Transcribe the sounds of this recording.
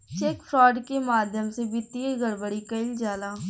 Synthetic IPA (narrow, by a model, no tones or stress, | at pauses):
t͡ʃeːkfʰɾɔːɖkemaːd̪ʱjəmsebɪt̪ːieɣəɾbəɽikɐɪld͡ʒaːlaː